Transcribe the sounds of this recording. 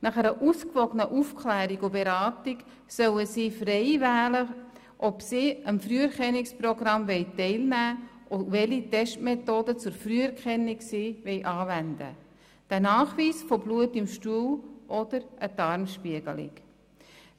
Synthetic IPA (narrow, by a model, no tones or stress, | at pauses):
nɑχɛɾəʔuskʋɔɡənəʔufkʰlæːɾiɡʊbeɾɑːtɪk | sœwəsiːfrɛɪvæːlə | ʔɔbsiːəmfɾyːɛɾkɛniksproɡɾɑmvɛɪtɛɪlnæːʔoʋɛlitɛʃtmetoːdət͡sʊɾfryːɛɾkχɛniksiːʋɛɪʔɑːvændə̰ | d̥ænɑːχʋiːsfobluətɪmʃtuːwʔɔd̥əɾʔəd̥ɑɾmʃpiəɡəlɪ̰k